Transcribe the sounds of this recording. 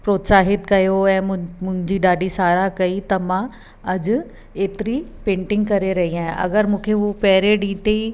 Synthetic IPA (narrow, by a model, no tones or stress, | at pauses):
pɾoːt̪saːɦɪt̪kɐjoɛ̃ːʊ̃mʊ̃ɦɪ̃ɲd͡ʑiːɗaːɖisaːɾakɐit̪ɐmã | ɐd͡ʑʊ̆ | eːt̪ɪɾipẽːɳʈɪ̃ŋɡ̚kɐɾeɾɐɦiaːɦɪ̃ʔɐ̰ɡəɾmũːkʰeɦupɐɦɪɾeɗiːt̪ei